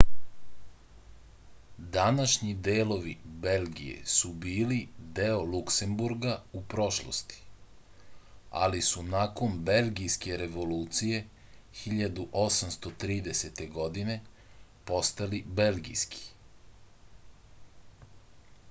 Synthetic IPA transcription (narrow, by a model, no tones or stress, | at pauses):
d̪anaʃɲid̪eːlo̞ʋibe̞lɡḭje̞̰subiːlid̪eolukse̞mbuɾɡaupɾo̞ʃlo̰st̪i̥ | a̰lisunako̞nbe̞lɡijske̞ɾe̞ʋo̞luːt̪sije̞ | xiʎad̪uʔo̞samst̪o̞t̪ɾiːd̪e̞set̪e̞ɡo̞d̪ine̞ | po̞st̪alibe̞lɡḭjski̥